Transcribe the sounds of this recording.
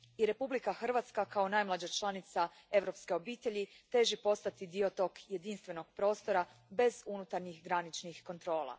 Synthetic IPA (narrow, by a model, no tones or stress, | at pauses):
iɾe̞publikaxr̩ʋat̪skakao̞najmlˠad͡ʑat͡ʃlˠanit̪sa | e̞ʋɾo̞pske̞o̞biːt̪e̞ʎit̪e̞ːʒipo̞st̪at̪id̪iot̪o̞ːkje̞d̪inst̪ʋe̞no̞ɡ̚pɾo̞ːst̪o̞ɾabe̞zunut̪aɾɲixɡɾanit͡ʃnixko̞nt̪ɾo̞ːlˠa̰